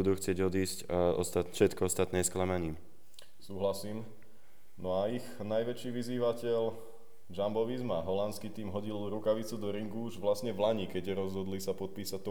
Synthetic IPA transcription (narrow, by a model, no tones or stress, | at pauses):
ud̪uːxt͡sɪɛɟɔd̪iːscɔ̰st̪afʃɛt̪kɔɔst̪at̪nɛːsklamaɲiː | suːɦlasiːm | nɔaiɣnajʋɛt͡ʃiːʋiziːʋacɛl | d͡ʒambɔʋizmaɦɔlant͡skit̪iːmɦɔɟilɾukaʋit͡sud̪ɔɾiŋɡuuʒʋlasɲɛʋlaɲikɛɟɛɾɔzɦɔd̪lisapɔt̪̚piːsat̪ɔ